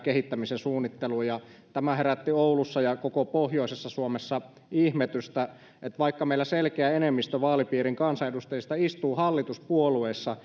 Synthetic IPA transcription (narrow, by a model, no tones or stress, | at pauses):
kehit̪ːæmisensuːnːit̪ːeluːjɑt̪æmæheræt̪ːioulusːɑjɑkokopohjoˑisesːɑsuomesːɑ | ihmet̪yst̪æ | et̪ʋɑikːɑmeilːˑæselkeæenemːist̪øʋɑːlipiːriŋkɑnsɑedust̪ejist̪ɑist̪uːhɑlːit̪uspuolueːsːɑ